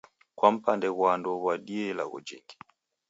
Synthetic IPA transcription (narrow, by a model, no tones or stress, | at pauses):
kwam̩pandɛɣwandɔβwaɗiɛlaɣɔ̰d͡ʒḭŋɡi